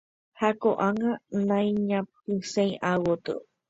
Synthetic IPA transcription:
hakoʔaŋãnãj̃ɲãpɨsẽj̃ʔawot̪ɨ̰

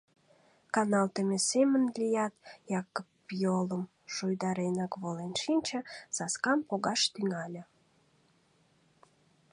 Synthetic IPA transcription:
kɑnɑlt̪əmesemənlʲijɑt̪jɑkəpjoləm | ʃujd̪ɑɾenɑkβolenʃinʲt͡ɕə̆sɑskɑmpoɣɑʃt̪yŋɑlʲə̆

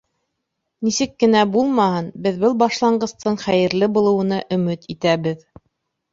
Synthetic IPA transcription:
nisɘkːɘ̆næbulˠmɑhɤnbɘðbɤlˠbɑʃlˠɑɴɢɤ̆st̪ɤɴχæjɘ̆ɾlɘbulˠɤ̆wɤ̆nɑʔɵ̆mɘt̪ʰit̪æβɘð

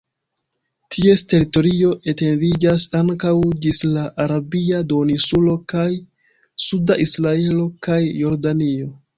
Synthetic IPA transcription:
tʰie̞ste̞ɾito̞ɾio̞ʔe̞te̞ndid͡ʒasaŋkawd͡ʒislaʔaɾabiado̞nisulo̞kaj | sudaʔisɾae̞lo̞kajːo̞ɾdanio̞

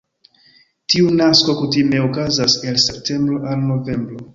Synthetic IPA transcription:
tiunasko̞kutime̞okazase̞lse̞p̚tʰe̞mbɾoʔalno̞ve̞mbɾo

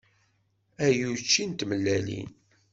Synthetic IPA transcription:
æjut͡ʃːint̪məlːælḭn

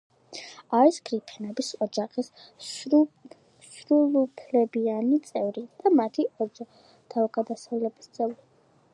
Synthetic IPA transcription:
aɾisɡɾipʰɛnɛbisɔd͡ʒaχis | sɾulupʰlɛbianit̪sʼɛvɾid̪̥amat̪ʰiʔɔd͡ʒɔ | t̪ʰavɡad̪asavlɛbist̪sʼɛvɾi

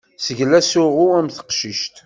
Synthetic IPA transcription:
səʝlæsʊʁʊæmθə̥qʃəʃt̪

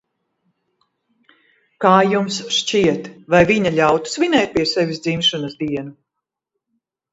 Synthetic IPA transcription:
kaːjumsʃt͡ʃiɛt̪vajviɲaʎʲawt̪u̥svinʲɛːt̪̚pʲiɛsɛvʲisd̪zimʃanɐsd̪iɛnu

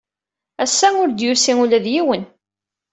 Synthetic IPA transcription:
æsːæʊɾd̪jʊɾsiŋulæðjiwən

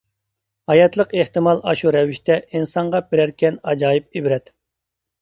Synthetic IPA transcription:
hɑjɑt̪lˠəqeht̪ɨmɑlˠʔɑ̰ʃuɾɛviʃt̪ʰɛʔinsɑɴʁɑbɪɾæɾkʲʰɛnɑd͡ʒɑːjip̚ebɾɛt̪

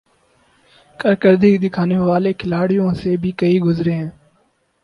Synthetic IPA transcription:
kəɾkəɾd̪ʱiːkd̪ɪkʰaːneːʋaːleːkʰɪlaːɽɪjõːseːbʱiːkəiːɡʊzɾeːɦɛ̃ː

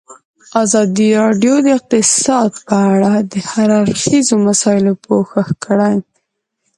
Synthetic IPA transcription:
azɑd̪iɾɑɖjod̪əɪq̚t̪ɪsɑd̪pəaɽad̪əhaɾaɾxizomasɑɪlopoxaxkəɽaj

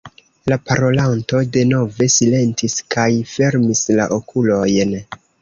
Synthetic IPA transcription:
lapaɾo̞lanto̞de̞no̞ve̞sile̞ntiskajfe̞ɾmisla̰ʔo̞kʰulo̞jn

